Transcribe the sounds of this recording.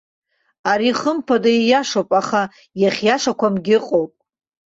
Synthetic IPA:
aɾiχəmpʰadaijaʂowpʼaχa | jaχʲjaʂakʷamɡʲɪqʼowpʼ

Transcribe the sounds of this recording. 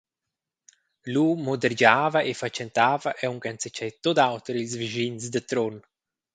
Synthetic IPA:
lumod̪əɾd͡ʒaːvaʔefat͡ʃɛnt̪aːvaʔɛuŋkant͡sɛt͡ʃɛjt̪od̪awt̪ɾilsviʒinsd̪ət̪ɾon

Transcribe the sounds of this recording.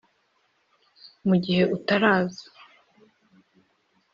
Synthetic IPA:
muɟihe̞ʔutaɾaːzḁ

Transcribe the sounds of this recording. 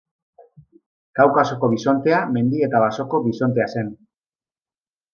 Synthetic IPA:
kawkaso̞ko̞βiso̞nt̪e̞ame̞nd̪ie̞t̪aβ̞aso̞ko̞βiso̞nt̪e̞ase̞n

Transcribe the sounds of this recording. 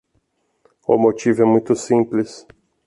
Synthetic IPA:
ʊ̰mot͡ʃivʊɛmũj̃t̪ʊsĩplɪs

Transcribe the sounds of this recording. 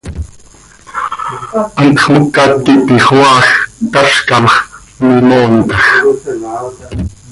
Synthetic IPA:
ʔɑnt̪χmokːɑt̪ːip̪iχwɑːxt̪ɑʃkɑmχ | mimoːnt̪ɑx

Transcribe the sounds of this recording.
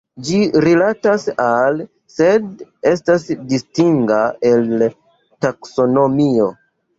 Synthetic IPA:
d͡ʒiɾilatasal | se̞de̞stasdistiŋɡae̞l | takso̞no̞mio̞

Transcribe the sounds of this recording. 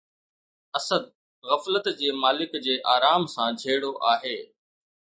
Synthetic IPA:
ɐsəd̪̚ | ɣɐflət̪d͡ʑeːmaːlɪkd͡ʑeːʔaːɾaːmsãːd͡ʑʱeːɽoʔaːɦeː

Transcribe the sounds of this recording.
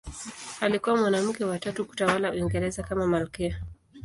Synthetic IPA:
alikuwamwanam̩kɛwatatuku̥tawalauiŋɡɛɾɛzakamamalkɛa

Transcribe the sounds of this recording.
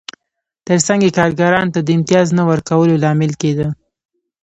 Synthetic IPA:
t̪əɾsaŋɡekɑɾɡaɾɑnot̪ad̪əɪmt̪ijɑznawəɾkawəlolɑmɪlked̪ə

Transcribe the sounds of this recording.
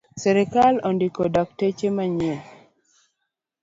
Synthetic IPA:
sɛɾɛkalɔndikodak̚tet͡ʃemaɲi

